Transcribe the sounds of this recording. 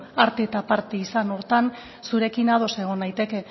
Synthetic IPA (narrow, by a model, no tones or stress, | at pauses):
aɾt̪eːt̪apaɾt̪eisanoɾt̪an | suɾe̞kinað̞o̞se̞ɣ̞o̞najt̪e̞ke̞